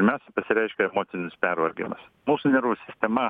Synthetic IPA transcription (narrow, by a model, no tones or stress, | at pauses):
pʲɪɾʲmʲɛʊsʲɛɪpɐsʲɪɾʲɛɪʃʲkʲɛɛmoːt̪ʲɪnʲʊspʲæɾʋɐɾʲɡʲɪ̰mɐs | muːsʊnʲɛɾʋʊsʲɪsʲt̪ʲɛmɐ